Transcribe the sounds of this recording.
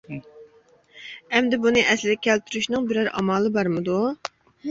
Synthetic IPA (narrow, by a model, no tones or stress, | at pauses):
ɛmd̪ɛbunɨʔɛslɪd̪ʲɛkʲʰɛlt̪ʰyɾyʃnɨŋbɪɾæɾɑ̰mɑːlˠɨbɑɾmɨd̪u